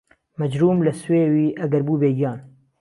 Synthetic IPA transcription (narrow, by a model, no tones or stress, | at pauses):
mɛd͡ʒɾuːmlɨsweːwiːʔɐɡɐɾbuːbeːɡijɑːn